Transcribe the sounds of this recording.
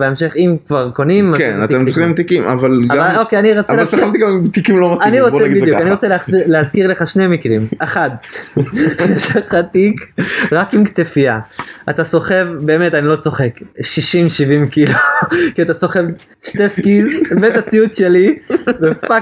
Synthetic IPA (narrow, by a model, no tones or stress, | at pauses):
beemʃeχimkvaʁko̞nimazkenat̪emoimmt̪ikima̰valɡavalokeaniʁot͡seleavt̪iɡamimt̪ikimlomaaniʁot͡sebid̪jukaniʁot͡seleazileazkiʁleχaʃnemikʁimaχad̪ | eʃaχat̪ikʁakimkt̪efiaat̪aso̞χe̞vbe̞ːme̞t̪anilo̞t͡so̞χe̞kʃiʃimʃivimkilokiat̪aso̞χe̞v | ʃteskizbet̪at͡siut̪ʃe̞libea